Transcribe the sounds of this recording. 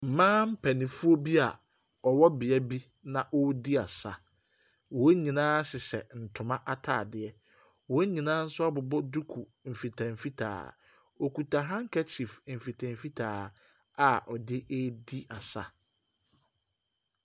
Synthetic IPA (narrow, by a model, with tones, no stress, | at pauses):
m̩˨mãː˦m̩˦pʰæ˨nɪ̃˨fu˦o˦bi˦a˨ | ɔ˨wɔ˦bɪ˨ɛ˦bi˦ | nã˨ʔɔ˦di˦a˨sa̰˨ | wɔ˨˦ɲĩ˨nãː˦sɪ˨sɛ̰˨n̩˨tʰʊ˨mã˦ʔa˨tʰa̰ː˨dɪ˨ɛ˦ | wo˨˦ɲĩ˨nãː˦n̩˦sʊ˦a˦bʊ˨bɔ˦du˦kʰu˨ | m̩˨fi˨tʰa˨m̩˨fi˦tʰa̰ː˨ | o˨ku˨tʰa˨ɦã˦ŋ̩˦kʰɛ˦tʰi˨fm̩˨fi˨tʰã˨m̩˨fi˦tʰaː˨ | a˨ʔɔ˨dɪ˦ʔe˦di˦ʔa˨sa̰˦